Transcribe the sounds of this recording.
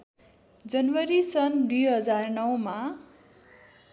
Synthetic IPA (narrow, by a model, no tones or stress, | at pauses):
d͡zʌnwʌɾisʌnd̪ujɦʌd͡zarnʌwma